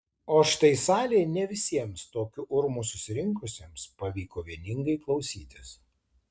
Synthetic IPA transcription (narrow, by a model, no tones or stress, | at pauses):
oːʃʲɪ̥t̪ɐɪsɑːlʲeːnʲɛʋʲɪsʲiɛmst̪oːkʲʊʔʊɾmusʊsʲɪɾʲɪŋˑkʊsʲeːmspɐʋʲiːkoːʋʲiɛnʲɪŋɡɐɪklˠɒʊsʲiːt̪ʲɪs